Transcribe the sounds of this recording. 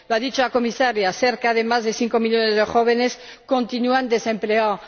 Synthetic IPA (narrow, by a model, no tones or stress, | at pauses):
loaðit͡ʃoako̞misaɾjaθeɾkaðe̞mazðeθiŋko̞miʎjonezðexo̞β̞ene̞s | ko̞nt̪inuand̪e̞se̞mplea